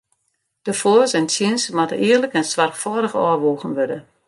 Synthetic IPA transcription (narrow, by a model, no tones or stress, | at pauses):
d̥əfoːsɛnsʰjinsmatəʔɪərləkɛnsʋarkfɔːɾəxɔ̰ːʋoːɣənʋødə